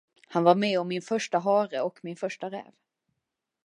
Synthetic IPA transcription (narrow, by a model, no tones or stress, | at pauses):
hanvaɾmɛɔmːɪnfœʂʈaɦɑːɾəɔkmɪnfœʂʈaɾɛ̰ːv